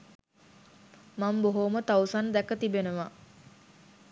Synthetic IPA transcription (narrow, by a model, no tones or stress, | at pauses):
mamboɦomət̪awsand̪ækət̪ibenəʋa